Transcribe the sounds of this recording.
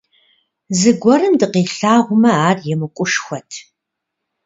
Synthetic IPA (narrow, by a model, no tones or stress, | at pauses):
zɨɡʷɔɾɨmdɨqiːɬaːʁʷʊmɐaːrjɛmɨkʷʼʊʂxʷɔtʰ